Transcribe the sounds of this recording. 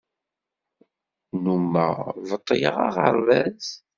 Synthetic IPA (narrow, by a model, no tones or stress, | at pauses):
numːəʁvət̪ˤːəjəʁɑ̰ʁə̰ɾˤvæz